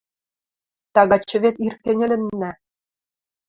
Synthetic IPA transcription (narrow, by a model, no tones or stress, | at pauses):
t̪ɑɣɑt͡ɕːɤ̆βet̪irkːĕnʲɘ̆lʲɘ̆nːæ